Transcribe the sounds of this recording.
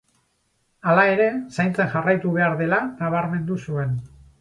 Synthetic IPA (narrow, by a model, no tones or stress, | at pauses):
alae̞ɾe̞sajnt͡sanʝarajt̪uβe̞aɾðe̞lanaβ̞aɾme̞nd̪usue̞n